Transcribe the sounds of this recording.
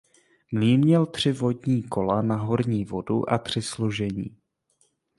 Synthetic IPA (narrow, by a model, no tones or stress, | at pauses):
mliːmɲɛlt̪r̝̥ɪvo̞dɲiːkʰo̞lanaɦo̞ɾɲiːvo̞dṵʔat̪r̝̥ɪsloʒɛɲḭː